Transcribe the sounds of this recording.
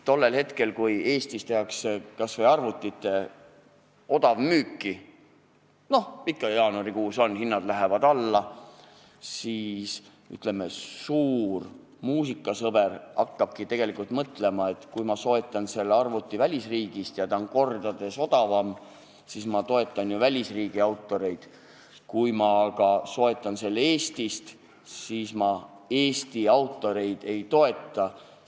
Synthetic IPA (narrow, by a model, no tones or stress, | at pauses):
t̪o̞lːe̞lhe̞t̪ke̞lkuje̞ːst̪ist̪eɦɑksekɑsvɤjɑrvut̪ːˑit̪ːˑe̞ | o̞d̪ɑvmyːkˑːi | no̞hpikːˑɑjɑːnuɑɾikuːso̞nhinːɑd̪læɦevɑd̪ɑlːɑ | siːs | y̰t̪ˑle̞mːesuːr | muːsikːˑɑsɤbe̞rɑkːɑb̥kit̪e̞ɡe̞likult̪mɤt̪ˑle̞mɑe̞t̪kujmɑso̞e̞t̪ːˑɑnse̞lːeɑrvut̪ːivælʲisriːɡ̥ist̪jɑt̪ɑonko̞rd̪̥ɑd̪̥e̞so̞d̪̥ɑvɑm | sismɑt̪o̞e̞t̪ˑːɑnjuvælʲisriːɡ̥iɑwt̪ːˑo̞ɾe̞jd̪̥ | kujmɑkɑso̞e̞t̪ˑːɑnse̞lːee̞ːst̪ist̪ | siːsmɑe̞ːst̪iɑwt̪ːˑo̞ɾe̞jd̪̥e̞jt̪o̞e̞t̪ˑːɑ